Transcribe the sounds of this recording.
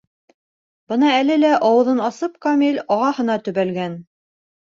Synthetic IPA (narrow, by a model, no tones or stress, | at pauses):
bɤnɑælɘlæʔɑwɤ̆ðɤnɑsɤp̚kɑmilʲɑʁɑhɤ̆nɑt̪ɵ̆βælɡæn